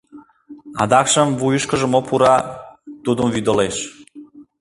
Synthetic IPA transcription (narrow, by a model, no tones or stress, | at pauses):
ɑ̰d̪ɑkʃə̆mvujəʃkə̆ʒə̆mopuɾɑt̪ud̪omvyd̪ə̆leʃ